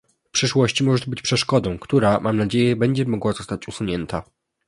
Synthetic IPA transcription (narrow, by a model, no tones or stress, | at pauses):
fpʂɘʂwɔɕt͡ɕimɔʐɛt̪ɔbɘt͡ɕpʂɛʂkɔd̪ɔ̃w̃kt̪uɾamʔamnad͡ʑejɛbɛɲd͡ʑɛmɔɡwazɔst̪at͡ɕusuɲɛnt̪ʰa